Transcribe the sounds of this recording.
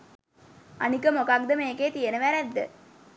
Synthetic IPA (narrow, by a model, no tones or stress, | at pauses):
ɐnikəmokak̚d̪əmeːkeːt̪ijenəʋæɾæd̪ːə̰